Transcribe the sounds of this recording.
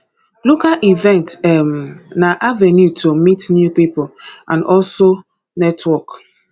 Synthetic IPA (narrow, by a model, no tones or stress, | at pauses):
lokalʔivɛ̃ntɛmnaʔavenjutʰomitnjupipoʔãnɔlso | nɛtʰwɔk